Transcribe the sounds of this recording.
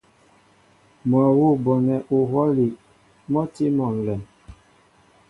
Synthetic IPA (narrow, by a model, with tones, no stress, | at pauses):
mwa˨wu˦˨bɔ˨nɛ˨ʔu˨ɦwɔ˦li˨ | mɔ˦ti˦mɔ˨n̩˨lɛ˨m